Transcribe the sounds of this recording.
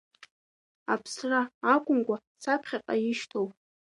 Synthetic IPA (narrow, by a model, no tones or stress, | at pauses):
apʰsraːkʷʼʊmkʷʼa | sapʰχʲaqʼajɪʃtʰowpʼ